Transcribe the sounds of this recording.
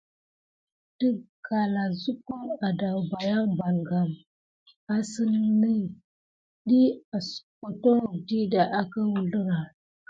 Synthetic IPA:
tə˦ka˨la˨zu˦ku˦a˨da˨ba˨ja˦ba˨ŋɡa˨m | a˨sɨ˦nː˦i˦ | ɗi˦a˨sko˨to˦˨di˦da˨ʔa˨kə˦wu˨lə˦ɾa˨

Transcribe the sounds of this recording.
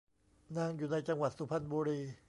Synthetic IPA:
na˧ŋjuː˨˩na˧jt͡ɕa˧ŋwa˨˩t̪̚su˨˧˦pʰa˧nbuː˧ɾiː˧

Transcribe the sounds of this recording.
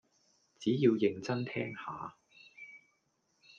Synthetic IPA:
t͡siː˨˥jiː˧wjɪ˨˧ŋt͡sɐ˥nt̪ʰɛː˥ŋhaː˨˧

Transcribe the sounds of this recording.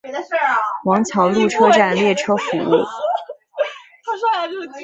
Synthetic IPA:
wɑ˧˥ŋt͡ɕʰjɑ˧˥ʊlu˥˩ʈ͡ʂʰɤ˥ʈ͡ʂa˥˧nljɛ˥˩ʈ͡ʂʰɤ˥fṵ˧˥ṵ˥˩

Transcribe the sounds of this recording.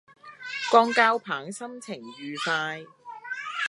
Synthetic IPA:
kɔː˧˥ŋkaː˥wpʰaː˨˥ŋsɐ˥mt͡sʰɪ˨˩ŋɥyː˨faː˧j

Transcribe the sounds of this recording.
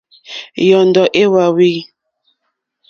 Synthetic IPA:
jɔ˨n˦dɔ˨ʔe˦wa˨wi˦˨

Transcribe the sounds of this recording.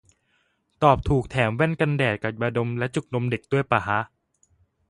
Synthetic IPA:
t̪ɔː˨˩p̚t̪ʰuː˨˩k̚t̪ʰɛː˩˦mwɛ˥˩nka˧ndɛː˨˩t̪̚ka˨˩p̚ba˧do˧mlɛ˦˥ʔt͡ɕu˨˩k̚no˧mde˨˩k̚tu˥˩əjpaː˨˩ɦa˦˥

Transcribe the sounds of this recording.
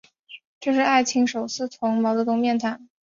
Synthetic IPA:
ʈ͡ʂɤ˥˧ʂ̬ɻ̩˥˧a˥˩ɪt͡ɕʰi˧˥ŋʂo˨˩ʊsɹ̩˥˩t̪ʰʊ˧˥ŋmɑ˧˥ʊt͡st̪ʊ˥˧ŋmjɛ˥˩nt̪ʰa˨˩˦n

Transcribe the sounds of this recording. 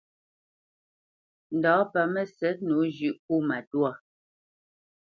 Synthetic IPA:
n̩˨dɔː˨˦pa˨mɛ˦sɛ˨˦t̚nu˨˦d͡ʒʉ˦ʔk̚u˦˨ma˨twa˦˨

